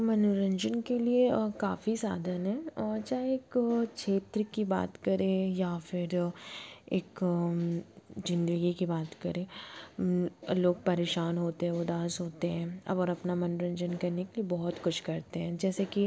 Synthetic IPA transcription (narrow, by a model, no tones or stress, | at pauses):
mɐnuɾə̃ɲd͡ʒənkeliekaːfisa̰ːd̪ʱənɦɛ̃ːt͡ʃaːɦeeːkʃʰeːt̪ɾkiba̰ːt̪kɐɾẽjafɪɾ | eːk | d͡ʒɪ̃nd̪əɡikibaːt̪kɐɾẽː | loːɡ̚pɐɾeːʃaːnɦoːt̪eɦɛ̃ʊd̪aːsɦoːt̪eɦɛ̃ːɐ̰bɔːɾɐpnamɐnoɾɐ̃ɲd͡ʒənkɐɾnekeliebɔɦʊt̪kʊt͡ʃʰkɐɾt̪eɦɛ̃ːd͡ʒɛːseki